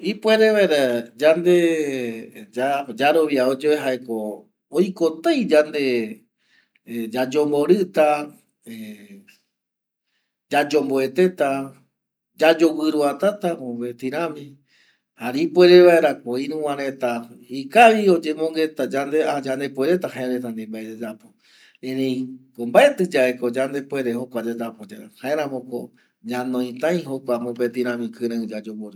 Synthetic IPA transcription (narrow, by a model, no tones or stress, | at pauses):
ipwe̞ɾe̞ʋaeɾad͡ʒand̪e̞ | d͡ʒad͡ʒaɾo̞ʋiaod͡ʒoeɦaeko | ojko̞t̪ajd͡ʒand̪e̞ | d͡ʒad͡ʒo̞mbo̞ɾɨt̪a | e | d͡ʒad͡ʒo̞mboe̞t̪e̞t̪a | d͡ʒad͡ʒo̞wɨɾuat̪at̪aoβet̪iɾ̃ãmĩ | haɾipwe̞ɾe̞βaeɾakoiɾũwãɾet̪a | ikaʋio̞d͡ʒe̞mõŋɡe̞t̪ad͡ʒand̪ead͡ʒand̪e̞pweɾe̞t̪ahaeɾet̪̬and̪imbaeed͡ʒapo | ẽɾẽj̃kombaet̪ɨd͡ʒaeko̞d͡ʒand̪e̞pwe̞ɾeɦokʷad͡ʒad͡ʒapod͡ʒa̰haeɾãmõ̞ko̰ | ɲãnõĩt̪ãj̃ɦokʷamopet̪ĩɾ̃ãmĩkɨ̃ɾɨ̃d͡ʒad͡ʒowɨɾu